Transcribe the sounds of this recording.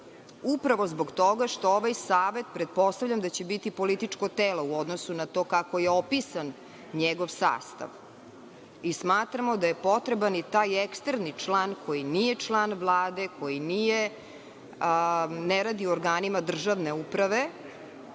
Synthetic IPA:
upɾaʋozboɡt̪oɡaʃt̪ooʋajsaːʋe̞t̪̚pɾet̪̚po̞st̪aʋvʎʲamd̪at͡ɕebit̪ipo̞lit̪it͡ʂkot̪eːlo̞uod̪nosunat̪o̞ːkakojeopisan | ɲeɡoʋsa̰ːst̪a̰ʋ | ismaːt̪ɾamo̞d̪aje̞po̞t̪ɾebanit̪aːjekst̪ɾnit͡ʂlˠaːnkojinijet͡ʂlˠaːnʋlˠaːd̪ekʰo̞jinije | neɾad̪ioɾɡaːnimad̪r̩ʒaʋneupɾaʋe

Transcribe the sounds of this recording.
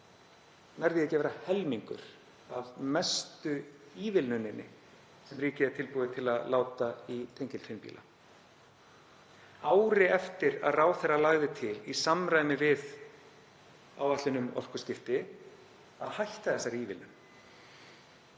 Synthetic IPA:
vajɾðɪɛcɛvɛɾahɛlmiŋkʏ̰ɾ̥ | avmɛst̪ʏiːvɪlnʏnːɪnːɪ̰ | sɛmriːcɪɛɾt̪ʰɪlpuːðɪt̪ʰɪlaðlaːwt̪ait̪ʰejɲcɪlfɪnpḭlʔa̰ | aːwɾɪɛft̪ɪɾa̰ðraːwθɛralaːɣðɪt̪ʰɪlisamɾaːjmɪvɪð | a̰waht̪lɪnʏmɔ̰l̥kʏscɪft̪ɪ | aðhajht̪aðɛsːaɾiːvɪ̰lnʏn

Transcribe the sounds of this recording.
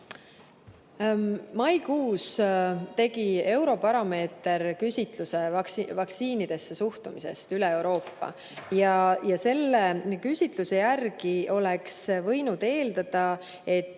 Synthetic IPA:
mɑjkuːst̪e̞ɡ̥ie̞wɾo̞pɑɾɑme̞ːt̪e̞ɾkysʲit̪luse̞ksvɑkt̪siːnid̪̥e̞sːe̞suht̪umise̞̰st̪yleewɾo̞ːpːɑ̰ | jɑjɑse̞lːekysʲit̪luse̞jærɡio̞leksvɤjnud̪̥e̞ːld̪̥ɑd̪̥ɑ | e̞t̪ː

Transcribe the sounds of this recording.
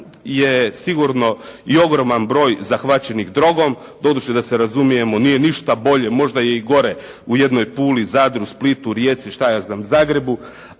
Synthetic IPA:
jesiɡuɾno̞io̞ɡɾo̞manbɾo̞ːjzaxʋat͡ɕe̞niɣd̪ɾo̞ɡo̞m | d̪o̞d̪ut͡ɕed̪aseɾazumije̞monije̞niʃt̪abo̞ʎe̞mo̞ʒd̪aje̞iɡo̞ɾe | uje̞d̪no̞jpuːlizaːd̪ɾusplit̪uɾjet̪siʃt̪ajaːznaːmuzaːɡɾe̞bu

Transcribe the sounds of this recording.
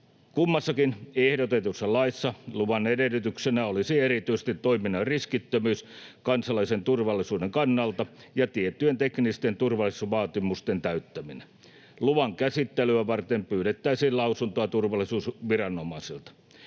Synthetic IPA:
kumːɑsːɑkinehdot̪et̪usːɑlɑisːɑluʋɑnedelːˑyt̪yksenæolisierit̪yise̥st̪it̪toiminːɑriskit̪ːømyːskɑnsɑlɑisent̪urʋɑlːˑisuːdeŋkɑnːɑlt̪ɑjɑt̪iet̪ːyent̪eknist̪ent̪urʋɑlˑisuʋɑːt̪imust̪ent̪æyt̪ːæmine | luʋɑŋkæsit̪ːelyæʋɑrt̪empyːɾet̪ːæisiːllɑusunt̪oɑt̪urʋɑlˑisuːsʋirɑnːomɑisilt̪ɑ̥

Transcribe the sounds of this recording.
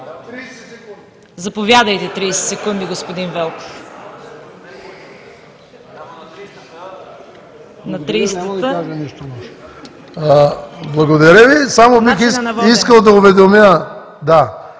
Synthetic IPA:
zɐpovjad̪əjt̪ɛt̪ɾijsɛ̥t̪sɛkund̪iɡospod̪invɛlˠko̥f | nɐt̪ɾijst̪t̪aʒɐniʃt̪olˠɔʃ | blˠɐɡod̪ɐɾəvisamobixisviskəlˠd̪ɐʊvɛd̪omjə | d̪a

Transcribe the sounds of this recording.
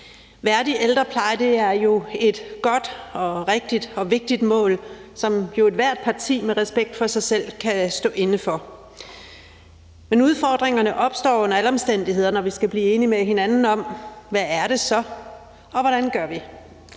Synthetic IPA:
ʋæɐd̥iʔeld̥ʁɐpʰlɑ̈ɪd̥e̝æɐjo̝e̝d̥ɡ̥ɒ̽d̥ɒ̽ʁeɡ̥̚d̥id̥ɒ̽ʋe̝ɡ̥̚d̥id̥mɔ̰̽ːlsɒ̽mjo̝e̝d̥ʋæɐ̰d̥̚pʰɑ̈t͡sʰḭːmeʁɛsb̥eɡ̥̚d̥fɒ̽sɑ̈ɪsel̰kʰæsd̥ɔ̰ːʔe̝nəfɒ̽ | menuð̞ˠfɒːd̥ʁeŋɐnəʔɒ̽b̥sd̥ɒ̰ːonɐæləɒ̽msd̥en̰d̥ihe̝ð̞̰ˠɐnɒʋisɡ̥æb̥liːe̝ːnimeɦe̝nænn̩ɒ̽mʋææɐɾe̝sɒ̽ | ɒ̽ʋɒɾ̥ænɡ̥ɶɐ̰ʋi

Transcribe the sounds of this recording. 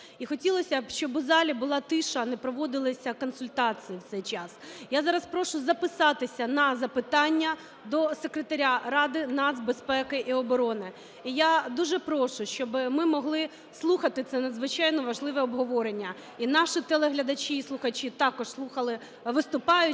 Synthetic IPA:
ixɔtʲilˠɔsʲɐʃt͡ʃɔbʊzɑlʲibʊlˠɑt̪ɪʃɐnɛpɾɔʋɔd̪ɪlˠɪsʲɐkɔnsʊlʲt̪ɑt͡sʲijiwt̪sɛjt͡ʃɑsjazɑɾɐspɾɔʃʊzɐpɪsɑt̪ɪsʲɐnɐzɐpɪt̪ɑnʲːɐ | d̪ɔsekɾet̪ɐɾʲaɾɑd̪ɪnɑt̪zʲbespɛkɪʔiɔbɔɾɔnɪ | ijad̪uʒɛpɾɔʃʊʃt͡ʃɔbɪmɪmɔɦlˠɪ | slˠuxɐt̪ɪt̪sɛnɐd̪zʋɪt͡ʃɑjnɔʋɐʒlˠɪʋɛɔbɦɔʋɔɾenʲːɐ | inɑʃɪt̪elˠeɦlʲɐd̪ɐt͡ʃiːslˠʊxɐt͡ʃit̪ɑkɔʂslˠuxɐlˠɪ | ʋɪst̪ʊpɑjʊ

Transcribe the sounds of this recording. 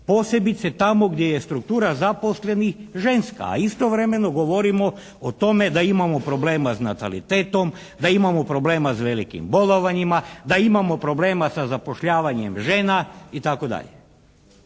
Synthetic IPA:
po̞ːse̞bit̪set̪amo̞ɡd̪ʲjejest̪ɾuk̚t̪uːɾazapo̞sle̞nixʒe̞nska̰ːist̪o̞ʋɾe̞me̞no̞ɡo̞ʋo̞ɾimo̞ | ot̪o̞me̞d̪aimamo̞pɾo̞ble̞ːmasnat̪a̰lḭt̪eːt̪o̞m | d̪aimamopɾo̞ble̞ːmasʋelikḭmbo̞loʋaɲimad̪aimamo̞pɾo̞ble̞ːmasazapo̞ʃʎaːʋaɲe̞mʒe̞ːnait̪ako̞d̪a̰ʎḛ

